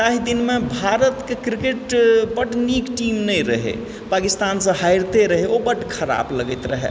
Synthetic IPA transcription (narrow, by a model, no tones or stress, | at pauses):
aɦid̪inmebʱaɾət̪kekɾikeʈpəʈnikʈimnəjɾəɦḛ | pakist̪ansə̃ɦajɾt̪eɾəɦeobəʈkʰəɾa̰bləɡəjt̪ɾəɦḛ